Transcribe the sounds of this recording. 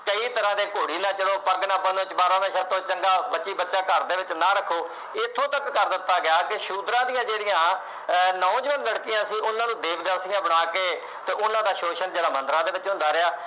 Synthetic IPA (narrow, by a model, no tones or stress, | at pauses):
kəiːt̪əɾãːd̪eːkoːɽiːnãːt͡ʃəɽoːpəɾɡnãːpə̃ːd̪oɪt͡ʃbaːɾãːd̪aːʃat̪õːt͡ʃəŋɡaːbətːʃiːbətːʃãːkəɾd̪eːʋɪt͡ʃnãːɾəkʰːoː | ɪt̪ʰːõːt̪əkːəɾd̪ɪt̪ːaːɡɪaːkɪʃuːd̪ɾãːd̪ijãːd͡ʒeːɽɪjãː | naõːd͡ʒəʋənləɽkɪjãːsiːʔʊnãːnũːd̪eːʋd̪əɾsɪjãːbəɽ̃aːkeː | t̪eːʔʊnãːd̪aːʃoːʃənd͡ʒeːɽaːmənd̪əɾãːd̪eːʋɪt͡ʃɦʊ̃nd̪aːɾeaː